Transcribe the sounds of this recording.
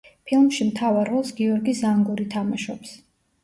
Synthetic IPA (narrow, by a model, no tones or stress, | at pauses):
pʰilˠmʃimt̪ʰavaɾːɔlˠsɡiɔɾɡisaŋɡuɾit̪ʰamaʃɔps